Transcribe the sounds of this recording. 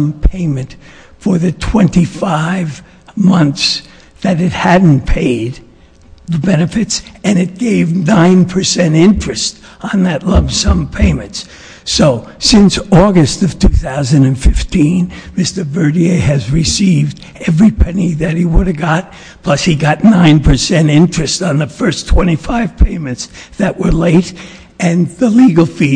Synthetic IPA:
mpʰẽɪ̃mɨ̃nt | fə˞ðɨtʰw̥ɛ̃ntifaɪv | mʌ̃nθs | ðɨɾɨt̚hædⁿn̩pʰeɪd̪̚ | ðɨbɛnɨfɨtsɨ̃nɨt̚ɡ̥eɪvnãɪ̃npʰə˞sɛ̃ñɪ̃nt͡ʃɹ̥ɨst | n̩ðɨtˡlʌvsʌ̃mpʰẽɪ̃mɨ̃nts | soʊsɪ̃nsɔɡɨstʌv̥tʰʉθaʊzɨ̃ndɨ̃nfɪftʰĩnmɪstə˞bɜ˞ɾieɪɨzɹɨsivd | ɛvɹipʰɛniðɨt̚hiwʊɾɨvɡɑt̚ | pʰl̥ʌshiɡɑtⁿnãɪ̃npʰə˞sɛ̃ñɪ̃nt͡ʃɹ̥ɨstn̩ðɨfɜ˞stʰw̥ɛ̃ɾ̃ifaɪv̥pʰẽɪ̃mɨ̃ntsðɨʔ̚wə˞leɪɾ | ɨ̃nðəliɡl̩ˠfi

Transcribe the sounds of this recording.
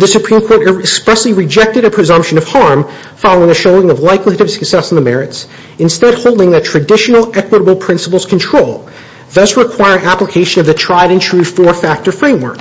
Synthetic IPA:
ðɨsɨpʰɹ̥ĩmkʰɔɹɾɨkspɹɛsliɹɨd͡ʒɛk̚tɨɾɨpʰɹ̥ɨzʌ̃mpʃɨ̃nʌv̥hɑɹm | fɑlˠoʊɪ̃ŋɨʃoʊɪ̃ŋʌvlaɪkliɾɨv̥sɨ̥ksɛsn̩ðəmɛɹɨts | ɨ̃nstɛd̚hoʊlˠdɪ̃ŋðɨtʰɹ̥ɨdɪʃnl̩ˠʔɛkwəɾəbl̩ˠpʰɹ̥ɪ̃nsəpl̩ˠz̥kʰn̩tʰɹ̥oʊlˠ | ðʌsɹɨkʰw̥aɪə˞ɪ̃ŋæpləkʰeɪʃɨ̃nʌvðɨtʰɹ̥aɪɾɨ̃ntʰɹ̥ʉ̥fɔɹfæk̚tə˞fɹẽɪ̃mwɜ̰˞k

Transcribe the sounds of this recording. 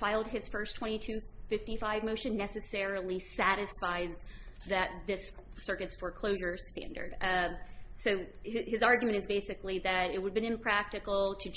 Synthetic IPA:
faɪlˠd̚ɨz̥fɜ˞stʰw̥ɛ̃ɾ̃itʰʉfɪftifaɪvmoʊʃɨ̃nːɛsɨsɛɹl̩ˠisæɾɨsfaɪzðɨt̪̚ðɪssɜ˞kɨtsfə˞kʰl̥oʊʒə˞stæ̰̃ndə̰˞d̥ | soʊɨzɑɹɡjmɨ̃ɾ̃ɨzbeɪsɨkliðɨɾɪt̚wədvbɨ̃ñɨ̃mpʰɹ̥æk̚tɨkl̩ˠtʰɨ

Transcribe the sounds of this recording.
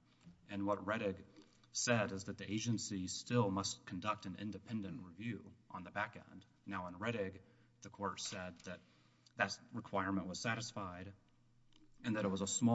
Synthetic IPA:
ɨ̃nwʌt̚ɹɛɾɪɡ | sɛɾɨzðɨt̪̚ðiʔeɪd͡ʒɨ̃nsistɪlˠmʌskʰn̩dʌk̚tɨ̃nɪ̰̃ndɨpʰɛ̃ndɨ̃nʔɹivjʉʔə̃nðəbækɛ̰̃nd | naʊə̃nɹɛɾɪɡ | ðɨkʰɔɹtsɛd̪̚ðɨt̪̚ | ðɨt̚ɹɨkʰw̥aɪɹmə̃nʔwʌz̥sæɾɨsfaɪɾ | ɨ̃nðɨɾət̚wʌzəsmɔ

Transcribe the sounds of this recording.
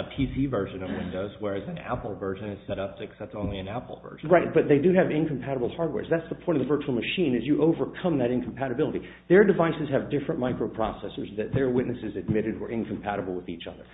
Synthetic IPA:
pʰisivɜ˞ʒɨ̃nʌvwɪ̃ndoʊzwə˞ɨz̃næ̰pl̩ˠvɜ˞ʒɨ̃nɨ̥sɛɾʌp̚tʰɨksætsõʊ̃nliɨ̃næpl̩ˠvɜ̰˞ʒ̃ɹaɪt̚b̥ʌt̪̚ðeɪdɨɨvɪ̃nkʰm̩pʰæɾəbl̩ˠhɑɹd̚wɛ̰ɹzðætsðəpʰɔ̃ɪ̃ɾ̃ʌvðəvɜ˞t͡ʃul̩ˠmɨʃĩnɨzjɨʔoʊvə˞kʰʌ̃mðɨɾɪ̃nkʰm̩pʰæɾɨbɪlˠəɾi | ðə˞dɨvaɪsɨz̥ɨvdɪfɹɨ̃nmaɪkɹoʊpʰɹ̥ɔsɛsə˞zðɨt̪̚ðə˞wɪtⁿnɨsɨzɨd̚mɪɾɨd̚ə˞ʔɪ̃nkʰm̩pʰæɾəbl̩ˠwəðit͡ʃʌ̰ðə̰˞

